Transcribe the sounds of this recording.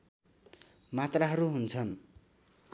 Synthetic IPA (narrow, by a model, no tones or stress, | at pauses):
mat̪raɦʌɾuɦunt͡sʰʌn